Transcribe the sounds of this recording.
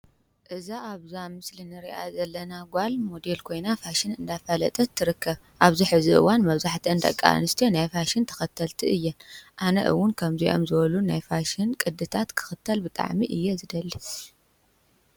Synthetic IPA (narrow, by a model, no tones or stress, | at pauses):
ʔɨzaʔaβzamɨslinɨɾiʔa̰zɐlːɐnaɡʷalmo̞d̪elkʰo̞jnafaʃɪnɨnd̪afɐlɐ̰t̪ʼɐt̪ʰːɨɾɨkːɐβ | ʔaβziħɨziʔɨ̰wanmɐβzaħt̪ʰiɨnd̪ʼɐ̰kʼːa̰nɨst̪ʰijonajfaʃɪnt̪ʰɐ̥xɐt̪ʰːɐlt̪ʰiʔɨjːɛnʔanɐ̰ʔɨ̰wʊnkʰɐmziʔo̞mzɨβɐlunajfaʃɪnkʼɨd̪ːɨt̪ʰat̪kʰɨ̥xɨt̪ʰːɐlbɨt̪ʼa̰ʕmiʔɨjːɛzɨd̪ɐlːi